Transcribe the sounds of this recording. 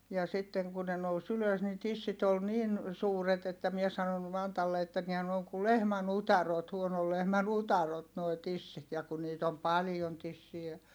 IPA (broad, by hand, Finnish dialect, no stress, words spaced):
jɑ sitːeŋ kun ne nous yløs ni tisːit ol nin suːret etːæ mie sɑnon mɑntɑlːe etːæ nihæ n oːŋ ku lehmæn utɑrot huonol lehmæn utɑrot noi̯ tisːit jɑ ku niːt om pɑlĭjon tisːiæ